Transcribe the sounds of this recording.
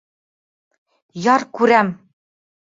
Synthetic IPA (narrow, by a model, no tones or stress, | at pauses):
jɑɾkʉɾæm